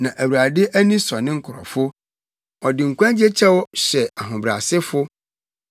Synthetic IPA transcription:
nã˨ʔæ˨wu˨ɾa˨dɪ˦ʔæ˦nĩ˦sɔ˨nɪ̃˦ŋ̩˦kʰʊ˨ɾɔ̰˨fʊ˦ | ɔ˨dɪ˨ŋ̩˨kʷã˦d͡ʑe˦t͡ɕʰɛ˦wɔ˦ɕɛ˨a˨ɦʊ̃˨bɾa̰˨sɪ˦fʊ˦

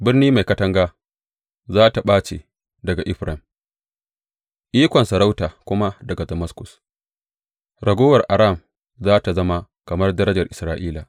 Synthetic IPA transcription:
bɪ˦rniː˦ma˨jkɐ˦tɐ˦ŋɡaː˦ | zaː˦ta˨ɓaː˦t͡ʃḛ˨ | dɐ˨ɡa˨ʔɪ˦ɸɾʔɐ˨m | ʔiː˦kʷɔ˨nsɐ˨ɾa˦wtaː˨kʷʊ˦ma˦dɐ˨ɡa˨dɐ˨mɐ˦skʊ˨s | ɾɐ˨ɡʷoː˦wɐ˨rʔa˨ɾa˦˨m | zaː˦ta˨zɐ˦ma˦ | kɐ˨mɐ˦rdɐ˦ɾɐ˦d͡ʒɐ˨rʔɪ˨sɾaː˦ʔiː˦la˨

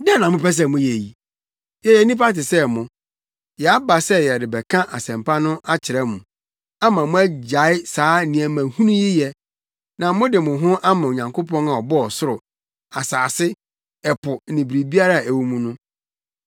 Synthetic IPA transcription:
dɛ˦nã˨mʊ̃˦pɛ˦s̬ɛ˦˨mʊ̃˦jɛ˨ji˨ | jɛ˨jɛ˨˦nĩ˦p̬a˦tɪ˨sɛ˦mʊ̃˨ | jɛ˨a˦ba˨sɛ˦jɛ˨dɪ˨bɛ˨kʰã˦ʔa˨sɛ̃˨mpa˦nʊ̃˦ʔa˦t͡ɕʰɪ˨ɾɛ˦mṵ̃˨ | a˦mã˨mʊ̃˦æ˦d͡ʑa˨˦ɪ˦saː˨˦nĩ˨æ˨mæ̃˨hũ˦nũ˦jɪ˦jɛ˨ | nã˨mʊ̃˦dɪ˨mʊ̃˨ɦʊ̃˦ʔa˦mã˨o˨ɲã˨ŋkʰo˦pɔ̃˦na˨ɔ˨bɔ˦ɔ˨sʊ˦ɾʊ˨ | a˨saː˨sɪ˦ | ɛ˨pʰʊ˨nĩ˨bɾi˨bi˦a˦ɾa˦˨æ˨wu˦mũ˦nʊ̃˦

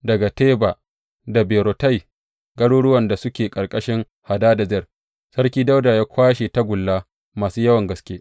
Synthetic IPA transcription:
dɐ˨ɡa˨teː˦baː˨ | da˨beː˨ɾo˨ta˦j | ɡɐ˦ɽoː˦ɽʊ˦wɐ˨nda˨sʊ˦kʲeː˨kʼɐ˨rkʼɐ˦ʃɪ˦ŋ | ha˨daː˦da˨zɪ˦ɐ˨ | sɐ˦ɽkʲiː˦da˦wdaː˨jaː˦kʷaː˦ʃe˨ta˦ɡʷʊ˨lːaː˦ | maː˨suː˦jɐ˦wɐ˨ŋɡɐ˦skʲeː˦

